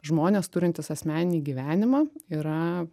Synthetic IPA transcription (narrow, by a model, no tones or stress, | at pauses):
ʒmoːnʲeːst̪ʊɾʲɪnt̪ʲɪsɐsʲmʲæːnʲɪnʲiːɡʲiːʋʲæːnʲɪmɑːiːɾɐ